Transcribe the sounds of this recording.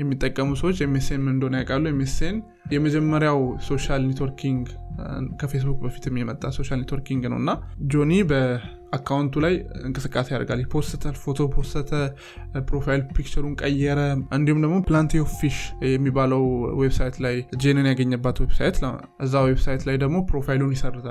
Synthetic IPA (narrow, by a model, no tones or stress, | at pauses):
jɛmːit̪ʼːəkʼːəmusəwot͡ʃːjɛmesenmɨnd̪onjakʼalːujɛmesen | jɛməd͡ʒɛmːəɾjawso̞ʃalnet̪wɔɾkʰiŋɡ | kʰəfe̞s̬bukʼbəfi̥t̪jɛmːjimət̪ʼːaso̞ʃalnet̪woɾkiŋɡnə̰wɨnːad͡ʒo̞nibə | akʰːawnt̪ʰulajɨŋkʼɨsɨkʼːase̞jaɾɡaljɛpʰo̞ɾsət̪ʰəfo̞t̪ʰo̞pʰo̞ɾsət̪ʰə | pɾo̞fajlpʰik̚t͡ʃɛɾuŋkʼəjːɛɾəʔɨnd̪ihumd̪əɡmo̞plant̪ʰiofiʃjɛmːibaləwwebsajt̪lajd͡ʒenɨnjaɡəɲːəbːat̪websa̰jt̪ | ʔɨzːawe̞bsajt̪lajd̪əɡmo̞pɾo̞fajlunjɪsərːɨt̪ʰal